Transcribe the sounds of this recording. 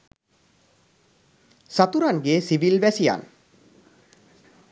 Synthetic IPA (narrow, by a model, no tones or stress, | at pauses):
sat̪uɾanɡesiʋilʋɛsija̰n